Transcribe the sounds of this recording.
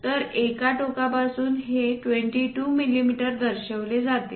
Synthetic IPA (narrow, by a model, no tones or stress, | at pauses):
t̪əɾekaʈokapasuːnɦeʈʋeɳʈiʈuːmilimiʈəɾd̪əɾɕəʋled͡zat̪e